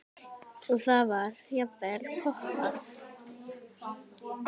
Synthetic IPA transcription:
ɔθavaɾjapɛlpʰɔhtaθ

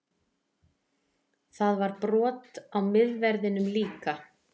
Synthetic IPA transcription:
θaðvaɾpɾɔːt̪awmɪðvɛɾðɪnʏmliːka

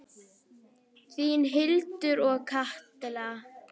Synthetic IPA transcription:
θinɦɪlt̪ʏɾɔɣkʰaht̪ɪlaa

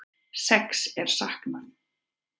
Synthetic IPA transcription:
sɛksɛɾ̥sahkmanː

